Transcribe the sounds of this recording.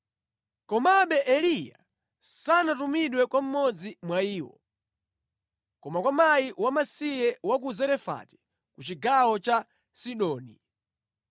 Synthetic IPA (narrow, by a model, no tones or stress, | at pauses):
kɔmaɓɛʔɛlija̰ | sanatumiɗwɛkwam̩mɔd͡zimwaiːwɔ̰ | kɔmakwamaiwamasijɛwakuzɛɾɛfa̰tɛ̥ | kut͡ʃiɡawɔt͡ʃa | siɗɔːni